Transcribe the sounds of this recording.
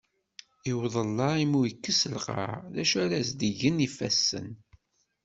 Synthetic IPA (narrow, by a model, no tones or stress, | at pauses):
iwðˤəlːɑimujəkːəsəlqɑ̰ɾðæʃæɾæzd̪əʝənifæsːə̰n